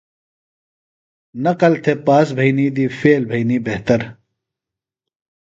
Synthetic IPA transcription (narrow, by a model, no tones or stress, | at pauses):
nɐqɐlt̪ʰepaːs̬bʱɐiniːd̪iːfeːlbʱɐiniːbeɦt̪ɐɾ